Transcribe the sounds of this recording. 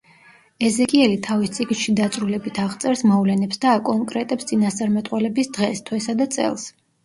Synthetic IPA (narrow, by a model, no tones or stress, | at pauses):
ɛzɛkʼiɛlit̪ʰavist̪sʼiɡnʃid̪at̪sʼɾulɛbit̪ʰaʁt̪sʼɛɾsmɔvlɛnɛpsd̪aːkʼɔŋkʼɾɛt̪ʼɛpst̪sʼinast̪sʼaɾmɛt̪ʼqʼwɛlɛbisd̪̥ʁɛst̪ʰwɛsad̪at̪sʼɛ̰lˠs